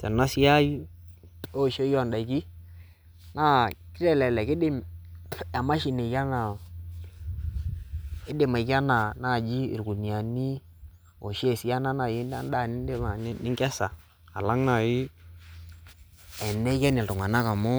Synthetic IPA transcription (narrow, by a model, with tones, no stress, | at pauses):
sɛ̰˨na˦si˦a˦j | o˦˨ʃo˦jɔ˦˨nda˨i˨ki˦ | na˦kɪ˦ɾɛ˦˨lɛ˨lɛ˨kɪ˦dɪ˦m | a˨ma˦ʃi˨ne˨ka˦na˨ | ɪ˦dɪ˨ma˨ka˦na˨na˦˨d͡ʒi˦ɪ̰˨ɾku˨ni˨a˨ni˦ | o˨ʃe˦˨si˨˦a˦na˦na˨ji˦nda̰˦n˦da˦˨nɪ˦de˦a˨˦nɪ˦ŋkɛ˦sa̰ː˨ | la˦ŋna˨ji˦ | ɛ˨nɛ˦ka˦ni˨ltʊ˨ŋa˨na˦ka˨mʊ˦